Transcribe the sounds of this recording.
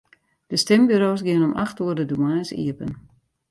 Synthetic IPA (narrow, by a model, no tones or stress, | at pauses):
d̥əstɪmbyɾoːsɡɪənɔmʔa̰xtuərdədumaːsḭəpən